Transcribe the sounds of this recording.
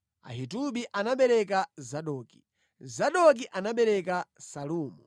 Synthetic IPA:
a̰ɦituɓiʔanaɓɛɾɛk̬azaɗɔːki | zaɗɔk̬iʔanaɓɛɾɛkasaluːmu

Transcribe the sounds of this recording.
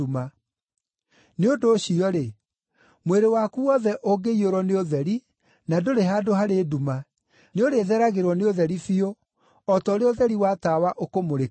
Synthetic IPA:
uma | neondoːɕiɔɾe | mweɾewaːkuwɔðɛʔoɡeioɾɔneoðɛɾi | nadoɾeɦaːdoɦaɾeːduma | neoɾeːðɛɾaɣeɾwɔneoðɛɾifio | ɔtɔoɾeoðɛɾiwatawaʔokomoɾe

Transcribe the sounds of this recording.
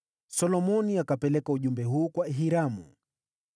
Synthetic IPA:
sɔlɔmɔniakapɛlɛkauʄumbɛɦuːkwaɛɦiɾamṵ

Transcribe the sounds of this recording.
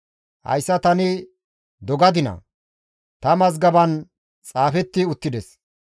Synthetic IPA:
hɐ̰jsːɐt̪ɐnɪ | d̪ɔɡɐd̪ɪnɐ̰ | t̪ɐmɐzɡɐbɐn | t͡sʼaːfɛt̪ːɪʊt̪ːɪd̪ɛs

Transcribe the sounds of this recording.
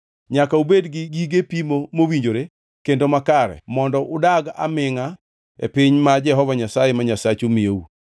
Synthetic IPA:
ɲakaubedɡɪɡiɡepimomowiɲd͡ʒoɾe | kendomakaɾɛ̰mɔndɔʔʊdaɡa̰mɪŋa | ḛpɪɲmad͡ʒɛɦɔvaɲasajemaɲasat͡ʃomieu

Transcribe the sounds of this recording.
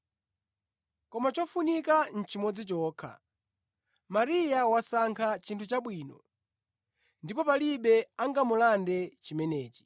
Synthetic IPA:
kɔmat͡ʃɔfunikan̩t͡ʃimɔd͡zit͡ʃɔːkʰa̰ | maɾijawasaŋkʰat͡ʃintʰut͡ʃaɓwiːnɔ̰ | ndipɔpaliɓɛaŋɡamulandɛt͡ʃimɛnɛːt͡ʃi̥

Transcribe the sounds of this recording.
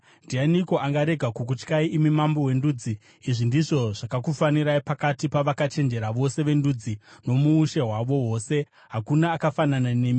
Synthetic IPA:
ndianiko̞ʔaŋɡaɾe̞ɡʱakuk̬ut͡ʃkaiʔːmimambo̞we̞nduːd͡ziː | ʐindiʐo̞ʐ̥akakufaniɾaipakatipaʋakat͡ʃe̞nd͡ʒe̞ɾaʋo̞se̞ʋe̞ndud͡zino̞muːʃe̞ɦwaʋo̞wo̞ːse̞ | ɦakunaːkafananane̞ːmi

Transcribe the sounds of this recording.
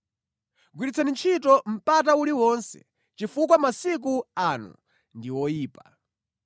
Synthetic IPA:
ɡwiɾit͡sʰɛnint͡ʃʰitɔm̩patauliwɔnsɛ̰ | t͡ʃifukwamasik̬uanṵ | ndiwɔjiːpḁ

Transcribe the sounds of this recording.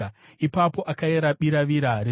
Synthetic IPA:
a | ipapo̞ʔakaeɾaɓiɾaʋiɾaɾe

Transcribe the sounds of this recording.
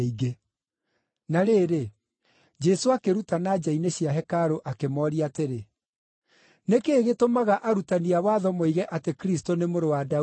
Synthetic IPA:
iɡe | naɾeːɾe | d͡ʒɛsoakeɾutanad͡ʑaineɕjaɦɛkaɾoʔakemɔːɾiateɾe | nekeːɣetomaɣaʔaɾutaniawaːðɔmoiɣɛʔatekɾistonemoɾowada

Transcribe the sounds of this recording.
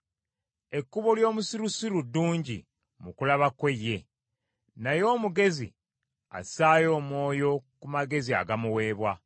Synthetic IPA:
e̞kːuβo̞ljo̞ːmusiɾusiɾudːuːɲɟḭ | mukulaβakwe̞jːe̞ | najo̞ːmuɡe̞zḭ | a̰saːjo̞ːmwo̞ːjo̞kumaɡe̞zia̰ɡamuwe̞ːβwa

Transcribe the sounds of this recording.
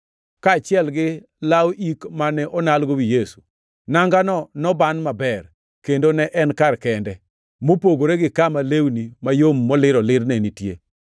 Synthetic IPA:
kaːt͡ʃɪɛlɡɪ | lawʔikmanɛʔɔnalɡowijesu̥ | naŋɡanɔnɔbanmabɛr | kendonɛʔɛnkarkɛndɛ | mopoɡoɾeɡɪkamalewnimajomːɔlɪɾɔlɪɾnɛnitje

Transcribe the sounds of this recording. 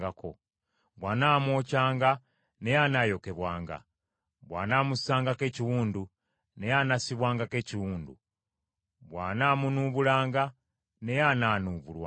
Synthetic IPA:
ɡakʰo̞̰ | βwaːnaːmwo̞ːcaːŋɡa | ne̞janajo̞ke̞βwaːŋɡa̰ | βwa̰ːnaːmusaːŋɡake̞ːciwuːndu | ne̞janasiβwaːŋɡake̞ːciwuːndṵ | βwaːnaːmunuβulaːŋɡa | ne̞janaːnuːβulwa̰

